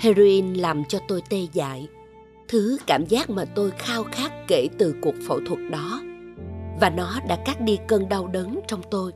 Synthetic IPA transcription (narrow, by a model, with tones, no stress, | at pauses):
he˧zo˧ʔi˧nlaː˨˩mt͡ɕɔ˧t̪o˧jt̪e˧za̰ː˧˨j | t̪ʰɨ˨˦kaː˧˩mzaː˦˥k̚maː˨˩t̪o˧jxaː˧wxaː˦˥k̚ːe˧˩t̪ɨ˨˩ku˨˩ək̚fə̰˧˩wt̪ʰwə˨˩t̚ɗɔ˨˦ | vaː˨˩nɔ˨˦ɗa̰ː˧˥kaː˦˥k̚ɗi˧kə˧nɗa˧wɗəː˨˦nt͡ɕɔ˧wŋ͡mt̪o˧j